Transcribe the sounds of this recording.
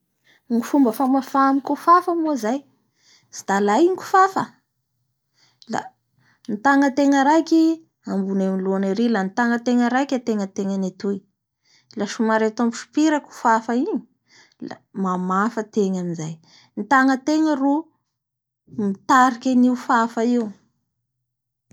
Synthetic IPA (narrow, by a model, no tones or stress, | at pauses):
ŋifumbəfamafamikufafəmuzaj | z̥i̥d̪̥alaiŋku̥fafə | la̰ | nit̪aŋət̪eŋəɾakʲi | ambunemiloanaɾilanit̪aŋət̪eŋəɾakʲat̪eŋət̪eŋənet̪uj | laʃumaɾet̪amuʃu̥piɾaku̥fafəiɲi | la̰mamafət̪eŋaminzaj | nit̪aŋət̪eŋəru | mit̪aɾikʲəniufafaiu